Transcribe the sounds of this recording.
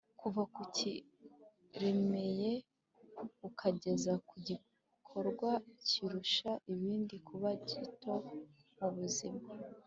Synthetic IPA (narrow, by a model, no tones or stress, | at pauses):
kuvakuci | ɾe̞me̞je̞ | ukʰaɟe̞zakuɟi | kʰo̞ɾɡwaciɾuʃaʔiβiːndikʰuβaɟitʰo̞ | muβuzima